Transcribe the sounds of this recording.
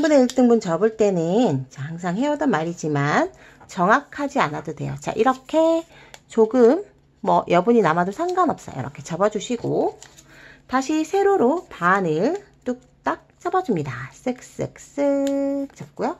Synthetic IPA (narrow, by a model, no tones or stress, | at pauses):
ŋbuneiɭt͈ɯŋbunt͡ɕʌbɯɭt͈e̞nɯnt͡ɕahaŋsʰaŋɦe̞ʌdʌnmaɾid͡ʑiman | t͡ɕʌŋakʰad͡ʑianadodwe̞̰jo̰t͡ɕa̰ʔiɾʌkʰe̞ | t͡ɕoɡɯmː | ʌjʔʌbuɲinamadosʰaŋɡanʌp̚s͈ʌjo̰ɾʌkʰe̞t͡ɕʌbʌd͡ʑuɕʰiɡo | taɕʰisʰe̞ɾoɾopanɯɭt͈uk̚t͈ak̚t͡ɕ͈ʌbʌd͡ʑumɲidas͈ɯk̚s͈ɯ̰k̚s͈ɯt͡ɕ͈ʌp̚k͈ujo